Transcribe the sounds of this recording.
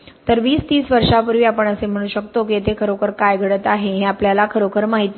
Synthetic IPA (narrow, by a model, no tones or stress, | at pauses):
t̪əɾʋiːst̪iːsʋəɾʂapuɾʋiːapəɳəsem̤əɽ̃uːɕəkt̪ok̬it̪ekʰəɾokʰəɾkajɡʱəɽət̪aɦeɦeapljalakʰəɾokʰəɾmaɦit̪